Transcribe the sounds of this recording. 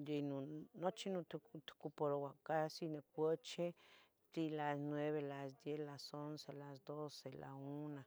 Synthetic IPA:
jenunot͡ʃinut̪t̪kupoɾowakasinekʷət͡ʃe | t̪ilasnweβelasd̪jelasonselasd̪osela̰una

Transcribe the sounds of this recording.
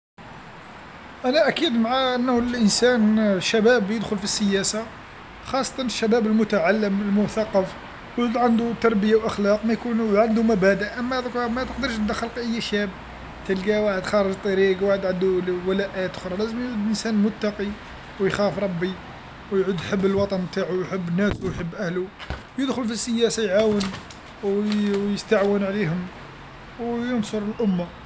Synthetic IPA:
ʔænæʔækid̪maʕaʔənːlʔənsænʃːæbæbjəd̪xʊlfisːəjæsa | xɑsˤːɑ̥t̪ˤɑnəʃːæbæbəlmʊt̪aʕalːəməlmʊθɑqːɑf | wud̪ʕand̪ut̪ɑɾˤbəjawʔɑxlɑqmæjkunʕand̪umæbæd̪əʔʔəmːæt̪kmæt̪əqd̪əɾʃd̪æxəlqʔəjːæʃæb | t̪əlɡæwaħəd̪xɑɾˤʒt̪ˤːɑɾiɡwaħəd̪ʕənd̪uwəlæʔæjæt̪ʊxɾˤɑlæzəmjʕud̪ʔənsænlmʊt̪ːɑqi | wjxæfɾˤɑbːi | wjʕud̪jħəbːəlwɑt̪ˤɑnb̚t̪aʕujħəbːənːæswjħəbːʔæhluwjəd̪xʊlfisːəjæsajʕawən | wjəst̪aʕwənʕlihʊm | wjənsoɾˤəlʔʊmːa

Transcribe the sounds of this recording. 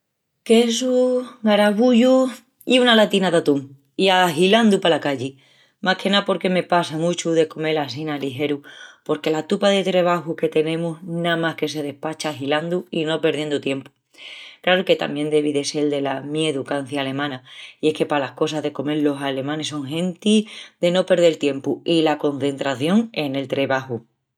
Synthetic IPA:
kesuɡaɾaβ̞uʎu | iunalat̪inaðat̪uŋ | iaɦiland̪upalakaʎi | mʔahkʰe̞napo̞ɾke̞me̞pasamut͡ʃuðe̞ko̞me̞lasinaliɦe̞ɾupo̞ɾke̞lat̪upaðe̞t̪ɾe̞β̞axuke̞t̪e̞nẽ̞musnamahke̞se̞ð̞e̞hpat͡ʃaɦiland̪uino̞pe̞ɾð̞je̞nd̪ut̪je̞mpu̥ | klaɾuke̞t̪a̰mje̞nd̪e̞β̞iðe̞seld̪e̞lamjeðukan̟θjaːle̞mãnaie̞hke̞palahko̞saɦðe̞ko̞me̞ɾlo̞sale̞mãne̞so̞ŋɦe̞nt̪id̪e̞no̞pe̞ɾð̞elt̪je̞mpuilako̞nθe̞nt̪ɾaθjo̞ŋe̞ne̞lt̪ɾe̞βahu

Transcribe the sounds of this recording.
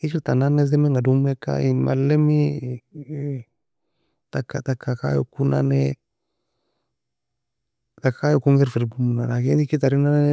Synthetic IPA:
it͡ʃiltananez̬emeŋɡadumeka̰ima̰lːemi | takːatakːaka̰jo̰kuna̰ne | takkajokuŋɡɛɾfiɾbumunaɾaɡenikitaɾinan

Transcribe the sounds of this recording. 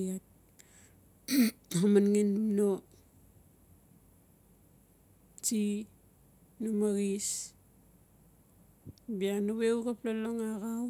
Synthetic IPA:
at̚ | amanŋenːumno | ti | numaɣis | bianuβeukaplaloŋaɣaw

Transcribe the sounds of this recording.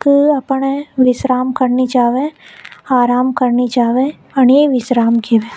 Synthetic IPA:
kɨɐpɳeʋɪsɾaːmkɐɾnit͡ʃaːʋẽaːɾaːmkɐɾnit͡ʃaːʋẽ | ɐneʋɪsɾaːmkʰeʋẽː

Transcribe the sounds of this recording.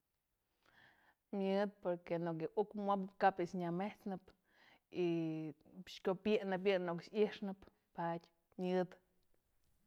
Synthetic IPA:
mʲɨd̪̚poɾkenokjɨʔukmʷapɨpkapiʔsɲameht͡snɨp | i | ʃkʲopjeʔnɨp̬jɨnoksiʂnɨp | patʲ | mʲɨd̪

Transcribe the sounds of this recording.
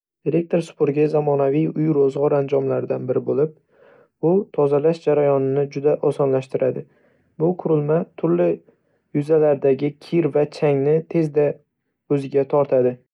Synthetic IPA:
eɾe̞k̚t̪oɾsʊ̥pʰoɾɡʲazamɒnavijʊjɾozʁɒɾand͡ʒɒmlaɾd̪anbɪɾɪbolɪp̚ | ʊt̪ʰɒzalaʃd͡ʒaɾajɒnɪnɪd͡ʒʊd̪aʔɒsɒnlaʃt̪ɪɾʔad̪ɪ | bʊqʰʊɾɪlˠmat̪ʰʊɾlɪ | jʊzalaɾd̪aɡʲɪkʲʰɪɾvat͡ʃʰaŋnɪt̪ʰe̞zd̪a | ɵzɪɡʲat̪ʰɒɾt̪ʰad̪ɪ

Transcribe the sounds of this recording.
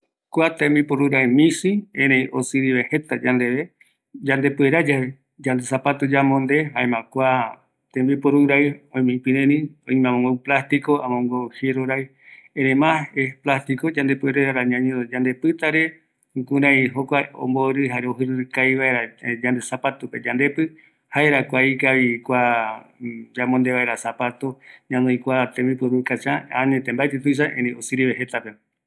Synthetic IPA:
kʷat̪ẽmbipoɾuɾaemĩsiẽɾẽj̃osɨɾiβehe̞t̪ad͡ʒand̪eβe | d͡ʒand̪e̞pueɾad͡ʒa | d͡ʒand̪esapat̪od͡ʒamõnd̪e̞ɦaẽmãkʷa | t̪ẽmbipoɾuɾajõj̃mĩpĩnẽnĩõĩmãmõŋɡowplast̪ikoãmõŋɡoheɾoɾaj | eɾẽmãeplast̪ikod͡ʒãnd̪epueɾeɾaɾaɲãɲẽd͡ʒand̪e̞pɨt̪aɾe̞ | kũɾãjɦokʷao̰mboɾɨɦaɾeoɦɨɾɨɾkajβaeɾad͡ʒand̪esapat̪upe̞d͡ʒãnd̪e̞pɨ | haeɾakʷaikaβikʷa | d͡ʒamõnd̪e̞βaeɾasapat̪oɲãnõĩkʷat̪ẽmbipɨɾukat͡ʃããnẽt̪embaet̪et̪ujʃ̬aʔẽɾẽosɨɾiβeɦet̪ape

